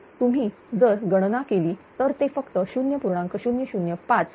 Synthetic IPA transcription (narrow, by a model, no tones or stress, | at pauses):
t̪um̤iː | d͡zəɾɡəɽ̃nakeliːt̪əɾt̪efəkt̪əɕunjəpuɾɳãŋkəɕunjəɕunjəpat͡s